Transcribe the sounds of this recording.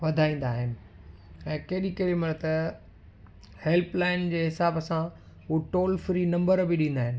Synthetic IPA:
ʋɐd̪ʱaːĩːn̆d̪aːɦɪnɪ̆ | ɛ̃ːkɐɦɪɗikɐɦɪɗimɐt̪ɐ | hɛlplaːɪnd͡ʑeːɦɪsaːbəsã | uʈoːlfɾiːnɐ̃mbəɾbɪɗĩːn̆d̪aːɦɪnɪ̆

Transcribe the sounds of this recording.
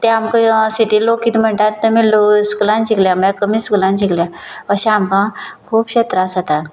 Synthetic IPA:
t̪ɛ̃amkəsiʈiːlokiːt̪m̤əɳʈ̪at̪ːumiloskulãnt͡ɕikljamakəmiːskulãnɕiklja | əɕãamkãkʰuːpɕet̪ɾasat̪a

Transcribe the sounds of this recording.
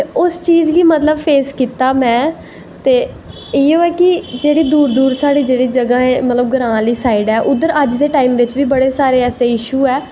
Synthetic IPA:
t̪eʊst͡ʃiːzʋiːmət̪ləbpʰeːskiːt̪aːmɛ̃ː | t̪eː | eːoːɛːkɪd͡ʒeːɽiːd̪uːɾd̪uːɾsaːɽiːd͡ʒeːɽiːd͡ʒəɡãːẽːmət̪ləb̚ɡəɾãːliːsaːɪɖɛːʔʊd̪ːəɾəd͡ʒd̪eːʈaːiːmʋɪt͡ʃʋiːbəɽeːsaːɾeːɛːseːɪʃuːɛː

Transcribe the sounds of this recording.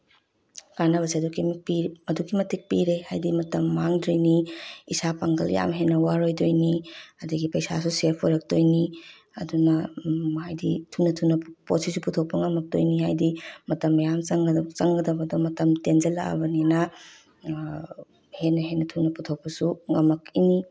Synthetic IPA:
kanɐβɐsiɐdukipiɐdukʰimɐtʰik̚piɾeha̰jdimɐtɐmːaŋdɾijniisapaŋɡɐl̰ja̰mɦenːɐwaɾojdojniɐduɡipɐjsasuseɾpʰojɾɐk̚tojni | ɐdunɐhajditʰunɐtʰunːɐpotsisuputʰok̚pɐŋɐmɐk̚do̰jniɦajdimɐtɐmːjamt͡ʃɐŋɡt͡ʃɐŋɡɐdɐbɐdomɐtɐmtend͡ʒɐla̰ɐ̰bɐninɐ | henːɐɦenɐtʰunɐputʰok̚pɐsuŋɐmːɐkini

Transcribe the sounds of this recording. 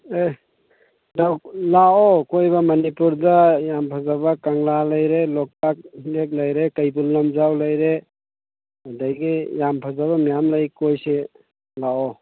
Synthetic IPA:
e | dawlaɔkojbamɐnipuɾdajampʰazabakaŋlalajɾelɔk̚tak̚lek̚lajɾekajbulːamzawlajɾe | adajɡijampʰazaβamijamlajkojse | laɔ

